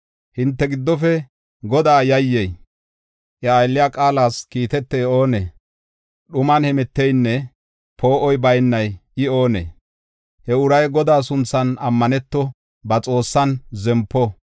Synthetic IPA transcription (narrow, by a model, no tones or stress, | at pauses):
hɪnt̪ːɛɡɪd̪ːɔfɛ | ɡɔd̪aːjɐjːɛj | ʔɐːjlːɪjaːkʼaːlaːskiːt̪ɛt̪ːeːo̞ːnḛː | ɗʊmɐnhɛmɛt̪ːɛjnːɛ | pʰo̞ːʔɔjbɐjnːɐjɪo̞ːnḛː | hɛʊɾɐjɡɔd̪aːs̬ʊnt͡sːɐnɐmːɐnɛt̪ːɔ | bɐt͡sʼo̞ːsːɐnzɛmpːɔ